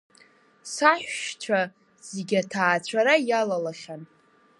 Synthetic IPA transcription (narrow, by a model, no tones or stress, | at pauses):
saħᶣʷʃt͡ʃʷʰa | z̥eɡʲatʰaːt͡ɕʷʰaɾajalalaχʲan